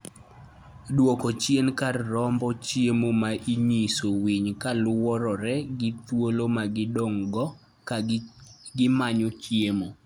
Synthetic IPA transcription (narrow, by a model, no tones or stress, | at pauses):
dwokɔt͡ʃjenkarːɔmbɔt͡ʃjemomaʔiɲisowiɲkalʊwɔɾɔɾɛɡɪt̪wolomaɡɪdɔŋɡɔ | ɡɪmaɲot͡ʃjemo